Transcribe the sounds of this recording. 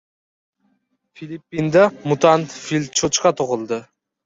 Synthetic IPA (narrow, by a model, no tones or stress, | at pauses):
filʲipːind̪amʊt̪ʰant̪filʲt͡ʃʰot͡ʃqɑt̪ʰoʁɨlˠd̪ɪ